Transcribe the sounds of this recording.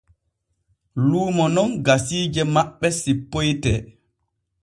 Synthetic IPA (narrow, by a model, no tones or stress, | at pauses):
luːmɔnɔnɡasiːd͡ʒɛmaɓːɛsipːojtɛ